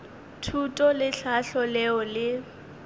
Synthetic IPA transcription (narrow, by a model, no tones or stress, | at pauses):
tʰutʼɔlɪɬaɬɔlɛɔlɪ